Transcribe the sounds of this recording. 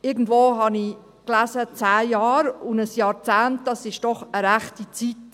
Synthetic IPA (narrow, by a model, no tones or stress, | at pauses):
ɪɡn̩dvoːɦɑni | klæzət͡sæːjɑːɾʊnəsjɑːɾt͡sæːntd̥ɑsɪʃd̥ɔχəɾæχtit͡sit